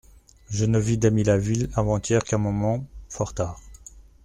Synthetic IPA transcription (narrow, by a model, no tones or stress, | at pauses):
ʒənəvid̪amilavilavɑ̃t̪jɛʁkɛ̃mɔmɑ̃fɔʁt̪aːʁ